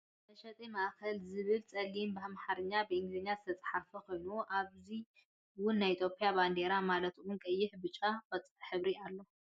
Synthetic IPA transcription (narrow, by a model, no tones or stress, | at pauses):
tʰɐʃɐt̪ʼimaʔakɐlzɨβɨlt͡sʼɐlːimbɨhamħaɾɨɲːabɨɨŋɡzɨɲːazɨt̪ʰɐt͡sʼɨ̥ħafɐkʰo̞jnuuʔaβzi | wʊnːajit̪ʰjo̞pʼjaband̪e̞ɾamalɐt̪ʔunkʼɐjːɪħbɨt͡ʃʼːafɐt͡sʼħɨβɾialːo̞